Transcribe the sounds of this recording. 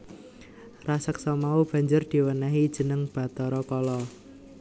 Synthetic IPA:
rasəksɔmaub̥ä̤ɲd͡ʒʊrd̪̥i̤wənaɦid̥ʒ̥ə̤nəŋb̥ä̤t̪ɔɾɔkɔlɔ

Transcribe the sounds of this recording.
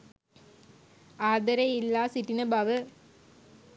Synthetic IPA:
aːðɐɾɐɪlːaːsɪʈːinɐbaːʋɯ

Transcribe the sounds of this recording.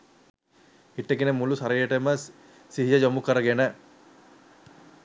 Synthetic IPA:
iʈːeɡinemulusɐɾijeʈemə | siɦid͡ʒɐd͡ʒomukɐɾɐɡenə

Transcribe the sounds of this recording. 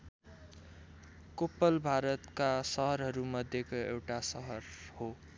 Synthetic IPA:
kopːʌlbʱaɾʌt̪kasʌɦʌɾɦʌɾumʌd̪ʱjekoḛwʈasʌɦʌrho

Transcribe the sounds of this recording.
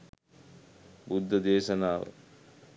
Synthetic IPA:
bud̪ʱːɐd̪eːʃɐnaːʋə̰

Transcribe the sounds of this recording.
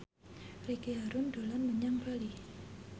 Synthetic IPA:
rikiaɾʊndolanməɲaŋbali

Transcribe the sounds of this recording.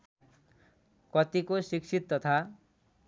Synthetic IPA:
kʌt̪ikosiksʰit̪ːʌt̪ʰa

